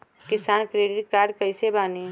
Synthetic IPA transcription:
kɪsaːnkɾeːɖɪʈ̚kaːɾɖkəɪsebaːni

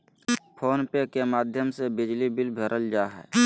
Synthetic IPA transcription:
pʰoːnpekemaːd̪ʱjəmsebɪd͡ʒlibɪlbʱeɾʔəld͡ʒaːɦɛ̰ː

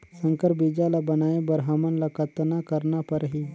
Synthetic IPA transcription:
səŋkəɾbid͡ʒalabɐnaːebəɾɦamənlakət̪nakəɾnapəɾɦiː

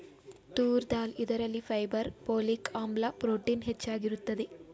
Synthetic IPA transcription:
t̪uːɾd̪aːlid̪ɐɾɐlːifʰɐjbɐɾpoːlikʰaːmlɐpɾoːʈiːnɦet͡ʃːaːɡiɾut̪ːɐd̪i

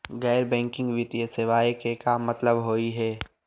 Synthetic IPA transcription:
ɣɛːɾbɛ̃ːŋkɪ̃ŋɡʋɪt̪ijəseʋaːjkekamɐt̪ləbɦoːiɦɛː

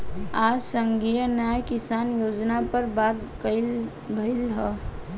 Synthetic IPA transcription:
ad͡ʒsəŋɡijənajkɪsanjoːd͡ʒnapəɾbat̪̚kəɪ | bʱəɪlɦə

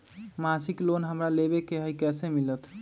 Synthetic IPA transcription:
masiklonɦəmɾalebekeɦəjkɛsemilət̪ʰ

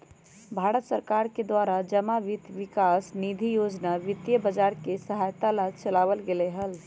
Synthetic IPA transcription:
bʱaːɾət̪səɾkaːɾked̪waɾad͡ʒəmaʋɪt̪ʋɪkasnid̪ʱijoːd͡ʒnaʋɪt̪jəbəd͡ʒaːɾkesəɦajt̪alad͡ʒt͡ʃəlaːʋəlɡeleɦəl

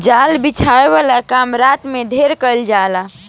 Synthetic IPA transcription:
d͡ʒalbit͡ʃʰaeʋalakamɾat̪med̪ʱeɾkəld͡ʒala

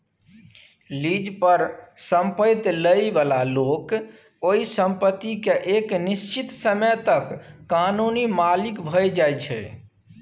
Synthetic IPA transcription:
lid͡ʒpəɾsəmpəjt̪ləjbalalok | oisəmpət̪ːikeʔeknist͡ʃit̪səməjt̪əkːanunimalikbʱəjd͡ʒajt͡ʃʰɛ̰

